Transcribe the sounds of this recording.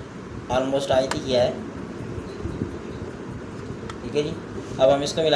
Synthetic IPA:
ɔːlmoːsʈaːɪt̪ikiɛ | ʈʰiːkɛd͡ʒiː | ɐbɦɐmɪskomɪla

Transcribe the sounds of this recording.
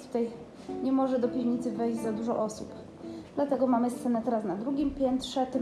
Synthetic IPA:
t̪u̥t̪aj | ɲɛmɔʐɛd̪ɔpʲiwɲit̪sɘvɛjʑd͡ʑzad̪uʐɔʔɔsṵp | d̪̥lat̪ɛɡɔmamɘst̪sɛnɛt̪ɛɾasnad̪ɾuɡʲimpʲjɛnt̪ʂɛt̪ɛ

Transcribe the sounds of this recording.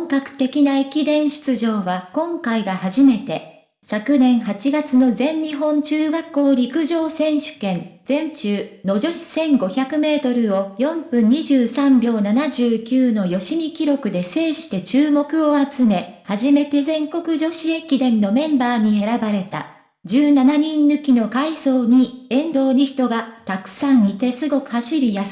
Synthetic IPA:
õŋkakɯ̟̥t̪e̞kʲinaekʲid̪ẽ̞ɰ̃ɕɨ̥t͡sɨʑo̞ːβakõ̞ŋkaiɡahaʑime̞t̪e̞ | sakɯ̟nẽ̞ɰ̃ɦat͡ɕiɡat͡sɨno̞zẽ̞ɲːɲiɦõ̞ɲt͡ɕɨːɡakːo̞ːɾʲikɯ̟ʑo̞ːsẽ̞ɰ̃ɕɨ̥kẽ̞nd͡zẽ̞ɲt͡ɕɨːno̞d͡ʑo̞ɕi̥sẽ̞ŋɡo̞çakɯ̟me̞ːt̪o̞ɾɯ̟o̞jõ̞mpɯ̟̃ɲ̟ːiʑɨːsãmbʲo̞ːnanaʑɨːkʲɨːno̞jo̞ɕimʲikʲiɾo̞kɯ̟d̪e̞se̞ːɕi̥t̪e̞t͡ɕɨːmo̞kɯ̟o̞at͡sɨme̞haʑime̞t̪e̞zẽ̞ŋko̞kɯ̟ʑo̞ɕiekʲid̪ẽ̞nːo̞mẽ̞mbaːɲ̟ie̞ɾabaɾe̞t̪a̰ | d͡ʑɨːnanaɲ̟ĩnːɯ̟kʲino̞kaiso̞ːɲ̟iẽ̞nd̪o̞ːɾʲiçi̥t̪o̞ɡat̪akɯ̟̥sãɰ̃it̪e̞sɨɡo̞kɯ̟̥haɕiɾʲijas

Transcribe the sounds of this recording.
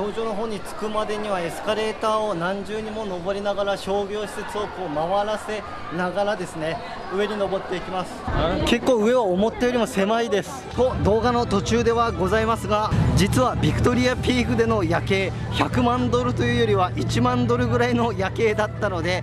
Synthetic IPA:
oːʑo̞ːno̞ɦo̞ːɲ̟it͡sɨ̥kɯ̟mad̪e̞ɲ̟iβ̞ae̞sɨ̥kaɾe̞ːt̪aːo̞nãɲ̟d͡ʑɨːɲ̟imo̞no̞bo̞ɾʲinaɡaɾaɕo̞ːɡʲo̞ːɕi̥se̞t͡sɨo̞koːmaβaɾase̞ | naɡaɾad̪e̞sɨne̞ | ɯ̟e̞ɲ̟ino̞bo̞t̪ːe̞ikʲimasɨ̥ke̞kːo̞ːɯ̟e̞βaomo̞t̪ːejo̞ɾʲimo̞se̞maid̪e̞sɨ̥hod̪o̞ːɡano̞t̪o̞t͡ɕɨːd̪e̞βaɡo̞zaimasɨɡad͡ʑit͡sɨβabʲikɯ̟̥t̪o̞ɾʲiapʲiːkɯ̟d̪e̞no̞jake̞ː | çakɯ̟mãnd̪o̞ɾɯ̟t̪o̞jɯ̟ːjo̞ɾʲiβaʔit͡ɕimãnd̪o̞ɾɯ̟ɡɯ̟ɾaino̞jake̞ːd̪at̪ːano̞d̪e̞

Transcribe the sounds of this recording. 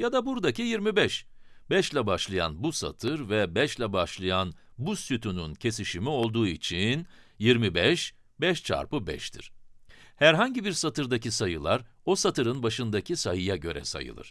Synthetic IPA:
jad̪abuɾd̪acʰijiɾmibɛʃbɛʃlʲɛbaʃlˠaja̰nbusa̰t̪ʰɯɾvɛbɛʃlʲɛbaʃlˠɯjan | busyt̪ʰynyncʰe̞siʃimio̞lˠd̪uːit͡ʃʰin | jiɾmibɛʃ | bɛʃt͡ʃʰa̰ɾpɯbɛ̰ʃt̪ʰḭɾ̥ | hæɾɦaɲɟibiɾsat̪ɯɾd̪acisajɯlˠaɾ | o̞sat̪ʰɯɾɯnbaʃɯnd̪akcʰisajɯjaɟø̞̰ɾɛ̰sa̰jɯ̰lˠɯ̰ɾ̥

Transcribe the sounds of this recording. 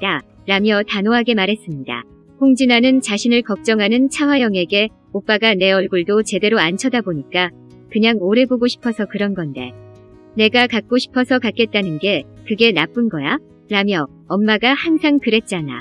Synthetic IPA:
da | ɾamjʌtanoɦaɡe̞maɾɦe̞s͈ɯmɲida̰ | hoŋd͡ʑinanɯnt͡ɕaɕʰinɯɭkʌk̚t͡ɕ͈ʌŋɦanɯnt͡ɕʰawajʌŋe̞ɡe̞ | op͈aɡane̞ʌɭɡuɭdot͡ɕe̞de̞ɾoant͡ɕʰʌdaboɲik͈a | kɯɲaŋoɾe̞boɡoɕʰi̥pʰʌsʰʌkɯɾʌnɡʌnde̞̰ | ne̞ɡakak̚k͈oɕʰi̥pʰʌsʰʌkak͈e̞t̚t͈anɯnɡe̞kɯɡe̞nap͈ɯnɡʌja | ɾamjʌ | ʌnmaɡahaŋsʰaŋkɯɾe̞t̚t͡ɕ͈ana̰

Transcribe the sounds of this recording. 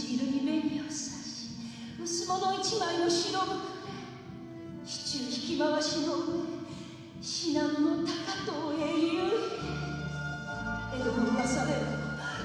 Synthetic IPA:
iɾɯɲʲimẽ̞nɾʲiosɨ̥aɕi̥ | mɯ̟sɨmonoit͡ɕimainoɕiɾo | ɕi̥t͡ɕɨɕi̥kʲimaβaɕinoe | ɕinãnːot̪akat̪oeɾo | eɾomoijasaɾeɾɯ

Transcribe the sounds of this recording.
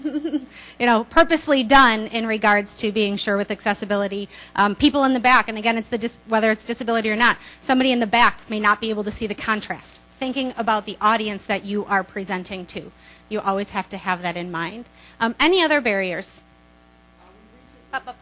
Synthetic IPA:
jɨñoʊpʰɜ˞pɨslidʌ̃nɪ̃nɹɨɡɑɹdz̥tʰɨbiɪ̃ŋʃʊɹwɨðɨksɛsɨbɪlˠəɾiʔpʰipl̩ˠə̃nðɨbækɨ̃nɨɡɛ̃nɨtsðɨdɪswɛðə˞ɨtsd̥ɨsɨbɪlˠəɾiə˞nət̚sʌ̃mbɑɾiɨ̃nðɨbækmeɪnət̚b̥ieɪbl̩ˠtʰɨsiðɨkʰɑ̃ntʰɹ̥æ̰st̚ | θɪ̃ŋkɪ̃ŋəbaʊt̪̚ðiʔɔɾiɨ̃nsðɨt͡ʃɨʔə˞pʰɹ̥izɛ̃ntʰɪ̃ŋtʰʉjɨʔɔlˠwiz̥hæftɨɨvðɨɾɨ̃nmãɪ̃nd̥ɛniʌðə˞bɛɹiə˞z̥ | ʌpʌp

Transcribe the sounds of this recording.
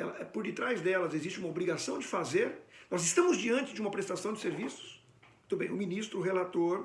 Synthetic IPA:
ɛ̰lɐɛpoɾd͡ʒɪt̪ɾajzd̪ɛlɐzezist͡ʃɪumɐobɾiɡasɐ̃w̃d͡ʒɪfazeɾnɔzɪst̪ɐ̃mʊzd͡ʒiɐ̃nt͡ʃɪd͡ʒɪũmɐpɾest̪asɐ̃w̃d͡ʒɪseɾvisʊ̥s | mũj̃d̪ʊbẽj̃ʊminist̪ɾʊɦelat̪oɾ

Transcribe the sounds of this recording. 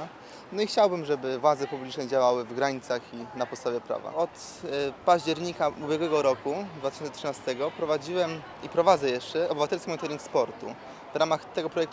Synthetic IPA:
nɔixt͡ɕawbɘmʐɛbɘvwad̪zɛpublʲit͡ʂnɛd͡ʑawawɘvɡɾaɲit̪saxinapɔt̪st̪avʲjɛpɾa̰va̰ɔt̪ | paʑd͡ʑɛɾɲikaubʲjɛɡwɛɡɔɾɔkud̪vat̪ɘ̥ɕɔnt̪ɛtʂɘnast̪ɛɡɔpɾɔvad͡ʑiwɛm | ipɾɔvad̪zɛjɛʂt͡ʂɛɔbɘvat̪ɛlskʲimɔ̃t̪ɛɾʲiŋkspɔɾt̪ṵ | vɾamaxt̪ɛɡɔpɾɔjɛkt̪

